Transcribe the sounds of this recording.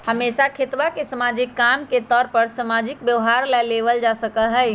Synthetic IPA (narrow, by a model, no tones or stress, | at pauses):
həmeːsakʰet̪ʋakesəmaːd͡ʒɪkːamket̪ɔːɾpəɾsəmad͡ʒɪk̚bjəʋɦaɾlɛleʋəld͡ʒasəkəlɦɛj